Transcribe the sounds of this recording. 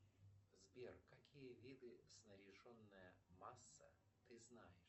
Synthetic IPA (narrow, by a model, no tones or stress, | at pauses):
zbʲerkakʲijəvʲid̪ɨsnəɾʲɪʐonːəjəmasːə | t̪ɨznajɪʂ